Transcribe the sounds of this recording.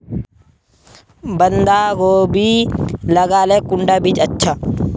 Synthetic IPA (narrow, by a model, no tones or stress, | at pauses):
bɐnd̪aːɡoːbiːlɐɡaːlɛkʼːʊɳɖɐbɪt͡ʃɐt͡ʃːɐ